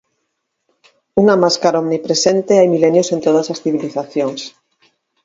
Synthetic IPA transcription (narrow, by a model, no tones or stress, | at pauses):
uŋamaskaɾaɔmnipɾesent̪eajmilenjosent̪oð̞ɐsasθiβiliθaθjoŋs